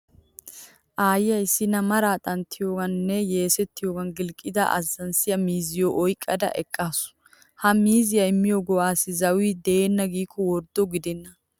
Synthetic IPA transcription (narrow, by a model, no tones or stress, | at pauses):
ʔaːjɪjɐɪsːɪnɐmɐɾaːt̪ʼɐnt̪ːɪjoːɡɐnːɛje̞ːsɛt̪ːɪjoːɡɐnɡɪlkʼːɪd̪ɐ̰ʔɐ̰zːɐnsɪjɐmiːzɪjoʔɔjkʼːɐd̪ɐ̰ʔɛkʼːaːsʊ̥ | hɐmiːzɪjɐɪmːɪjoɡɔwaːsɪzɐwiːd̪ɛeːnːɐɡiːkʰːɔwɔɾd̪ːɔɡɪd̪ɛnːɐ